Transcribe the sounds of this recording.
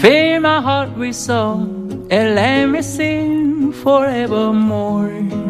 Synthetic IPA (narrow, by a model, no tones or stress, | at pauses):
fimaɪɦat̚wisɔ | ɛ̃nlɛt̚misĩŋfɔɹɛvəmɔɹ